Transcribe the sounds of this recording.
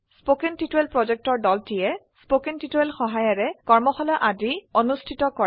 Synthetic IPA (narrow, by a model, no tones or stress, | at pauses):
spokentituelpɹɔzɛk̚tɔɹdɔltijɛ | spokentituelxɔɦajɔɹɛkɔɹmɔxɔlɔʔadionustʰitɔkɔɹ